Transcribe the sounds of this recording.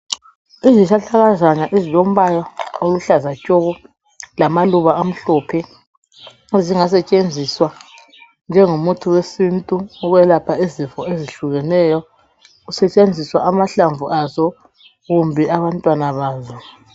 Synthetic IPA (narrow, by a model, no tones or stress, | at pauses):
iziʃaɬaɣazaɲaʔizilom̩βajɔoluɬazacʼoɣu | lamaluβaam̩ɬɔːpʰɛ | ziŋasɛt͡ʃʼend͡zʱiswa | nd͡ʒʱɛŋomutʰuwesintʼuɔɣɛlapʰaizifɔeziɬuɣɛnɛjɔ | usɛt͡ʃʼend͡zʱiswaʔamaɬaɱvuʔazɔ | ɣumbʱiaβantʼwanaβaːza